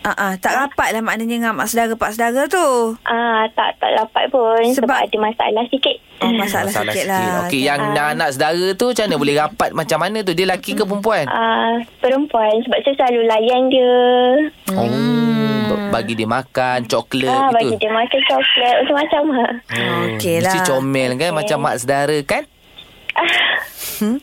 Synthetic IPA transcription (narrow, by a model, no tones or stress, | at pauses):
ʔaʔãt̪aʔɾapat̪̚lahmaʔnaɲəŋamaʔsədaɾapaʔsədaɣat̪uʔat̪a̰ʔt̪a̰ʔɾapa̰t̪̚pʊnsəəbaadəmasaa̰lahsikɪt̪̚ɔmasaʔalahsilaokejaŋanaʔsədaɣat̪ut͡ʃanəbolɛhɾapat̪̚mat͡ʃamːanãt̪̬udiəlakikəpəɾəmp̬uanapəɾəmpuansəbap̚səslalulajandiə | ounʊʔ̚baɡidiəmakant͡ʃɔkləabaidiəmakant͡ʃɔklət̪unt̪ʊʔ̚mat͡ʃamaʔokeasit͡ʃomɛlkanmat͡ʃamːa̰ʔsədaɾəkan | ʔa